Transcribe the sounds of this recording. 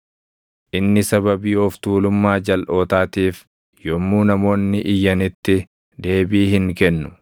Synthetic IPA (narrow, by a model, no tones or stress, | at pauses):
ʔɪnːɪsɐbɐbiːɔft̪uːlʊmːaːd͡ʒɐlʔo̞ːt̪aːt̪iːf | jɔmːuːnɐmo̞ːnːɪʔɪjːɐnɪt̪ːɪ | d̪e̞ːbiːɦɪŋkɛnːʊ̥